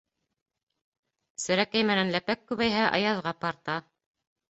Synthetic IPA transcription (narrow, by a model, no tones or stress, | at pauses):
sɘ̆ɾækæjmæ̆nænlæpækːʉβæjɦæʔɑ̰jɑðʁɑpɑɾt̪ɑ